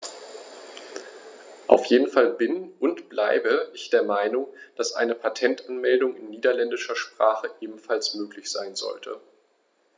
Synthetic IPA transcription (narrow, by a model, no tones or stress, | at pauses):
ʔa̰ʊfjeːdn̩falbɪnʔʊntb̥laɪbəʔɪçd̥eːɐmaɪnʊŋd̥asʔa̰ɪnəpʰatʰɛntʔanmɛldʊŋɪnːiːdɐlɛndɪʃɐʃpʁ̥aːχəʔeːbm̩falsmøːklɪçz̥aɪnzɔ̰ltʰə̰